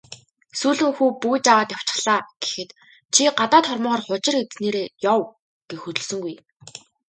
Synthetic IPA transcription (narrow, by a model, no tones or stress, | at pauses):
suːɮɘ̆ŋxuːpujt͡ɕawaːt̪jaw̥t͡ɕɪ̥̆χɮaːɡ̥e̥xɘ̆t̪ | t͡ɕʰiɢat̪aːt̪χɔrmɔːʁɔːrχʊt͡ɕɪ̆ret͡sneːɾeːjɔw | ɡ̥exɵt̪ɵ̆ɮsɵ̆ŋɡuj